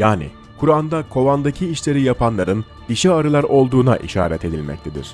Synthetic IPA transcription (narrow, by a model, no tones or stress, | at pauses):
jaːnḭ | kʰuɾand̪akʰo̞vand̪acʰiiʃlʲe̞ɾijapʰanlˠaɾɯn | d̪iʃɛaɾɯlˠaɾo̞lˠd̪uːna̰ʔiʃa̰ːɾɛt̪ʰe̞d̪ilʲmɛ̰c̚t̪ʰe̞d̪ḭɾ̥